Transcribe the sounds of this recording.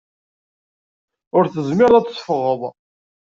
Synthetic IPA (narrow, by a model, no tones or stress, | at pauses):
ʊɾθəzmɪɾðæt͡sːˤfəʁəðˤ